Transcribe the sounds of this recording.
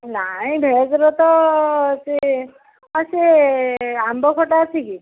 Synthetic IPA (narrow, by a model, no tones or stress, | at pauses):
naĩbʱed͡zɾɔt̪ɔt͡ʃi | əse | ambɔkʰɔʈaːt͡ʃʰiki